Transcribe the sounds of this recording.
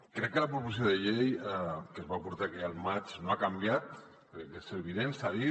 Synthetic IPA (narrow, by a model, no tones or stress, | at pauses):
kɾɛkːələpɾupus̬ioðəʎejɛkəzβapuɾt̪akealˠmat͡ʃnoakambjat̪̚ | k̪əseβiðensaði